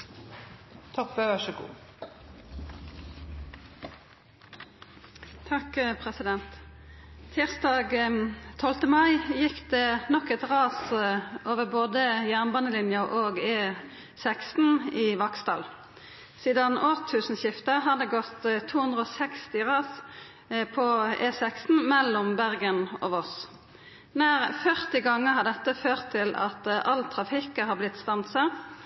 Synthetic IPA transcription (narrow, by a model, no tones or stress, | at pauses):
t̪ʰɔpːəʋæʃəɡṵː | t̪ʰɑkpʰʁɛsɪd̪ɛnt̪ʰ | ɪʁst̪ɑːɡt̪ʰɔlt̪əmɑɪjɪkd̪eːnɔkɛt̪ʁɑːsʔoːʋəʁboːd̪əjæʁnbɑːnəlɪnjəʔoːɡeː | sɛkst̪n̩ɪʋɑkst̪ɑ̰ːl | siːd̪ɑnoːʁt̪ʰːʉːsn̩ɕɪft̪əɦɑd̪ɛɡɔt̪ːt̪ʰːuːhʉnd̪ʁəɔːsɛkst̪ɪʁɑs | pʰɔeːsɛkst̪n̩mɛlːɔmbæʁɡənɔ̰ːʋɔs | næːʁfœʁt̪ɪɡɑŋːəhɑʁd̪ɛt̪ːəføːʁt̪ʰːɪlɑ̰t̪ɑlt̪ʰʁɑfɪkəhɑːʁblɪt̪st̪ɑnt̪sɑ